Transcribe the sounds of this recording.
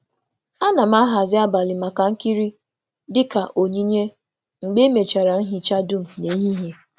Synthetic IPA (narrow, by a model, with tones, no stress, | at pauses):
a˦na˨m̩˦a˦ɦa˨zɪ˦a˦ba˨lɪ˨ma˨ka˨ŋ̩˦ki˦ɾi˦ | dɪ˦ka˨ʔo˨ɲi˦ɲe˦ | ŋ͡m̩˨ɡ͡be˦me˨t͡ʃa˨ɾa˨n̩˦ɦi˦t͡ʃa˦du˦m̩˨ne˨˦ɦi˦ɦe˨